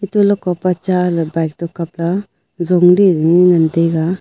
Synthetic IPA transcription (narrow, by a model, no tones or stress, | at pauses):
itulɔkɔpat͡ʃalbajk̚tɔkap̚la | zɔŋɾiŋiŋandeɡa